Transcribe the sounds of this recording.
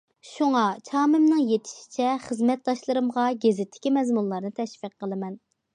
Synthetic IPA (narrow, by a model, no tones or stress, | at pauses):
ʃuŋɑt͡ʃʰɑːmɪmnɨŋjet̪ʰɪ̥ʃi̥t͡ʃʰɛχəzmɛt̪̚d̪ɑʃlˠɨɾɨmʁɑɡʲezɪt̪ʰːɪ̥kʲimɛzmunlˠɑɾnɨt̪ʰɛʃfiqːəlˠɨmɛn